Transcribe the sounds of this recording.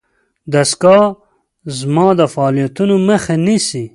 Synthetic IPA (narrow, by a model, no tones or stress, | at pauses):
d̪ɐskɑː | zmɑːd̪ɐfɑːlijɐt̪unomɐxenisi